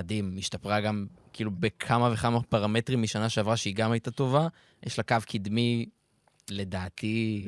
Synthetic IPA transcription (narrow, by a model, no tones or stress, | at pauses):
adimːiʃt̪apʁaɡamkiːlubekʰamave̞χamapaʁame̞tʁimːiʃanaʃeavʁaʃeiɡamajtat̪o̞va | jʔeʃlakavkʰid̪mi | le̞d̪aːt̪i